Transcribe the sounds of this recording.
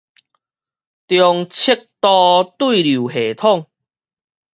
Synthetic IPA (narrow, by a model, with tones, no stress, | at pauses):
t̪jɔ˧ŋt͡ɕʰi˦˥k̚t̪ɔ˧t̪wi˥˨lu˨˩he˨t̪ʰɔ˥˨ŋ